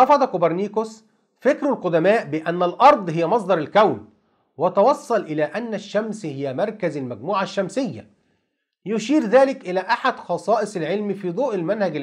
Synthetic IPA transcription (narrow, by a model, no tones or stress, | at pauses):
ɑfɑd̪ˤɑkobɑɾˤniːkos | fɪkɾlqʊd̪æmæːʔbɪʔænːælʔɑɾˤd̪ˤɦɪjːæmɑsˤd̪ˤɑɾˤɪlkæwn | wæt̪ɑwɑsˤːɑlʔɪlæːʔænːæʃːæmshɪjæmɑɾˤkæzɪlmæɡ̚muːʕaʃːæmsɪjːæ̰ | jʊʃiːɾðæːlɪkʔɪlæːʔaħad̪xɑsˤɑːʔɨsˤɪlʕɪlmfiːd̪ˤuːʔɪlmænhæɡɪl